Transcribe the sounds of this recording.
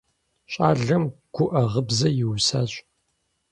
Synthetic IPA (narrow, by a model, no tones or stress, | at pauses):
ɕʼaːɮɐmɡ̥ʷʊʔɐʁəbzɐjɪwsaːɕʼ